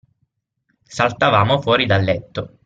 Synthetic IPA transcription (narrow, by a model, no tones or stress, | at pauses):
salt̪avaːmofwɔːɾid̪alːɛt̪ːo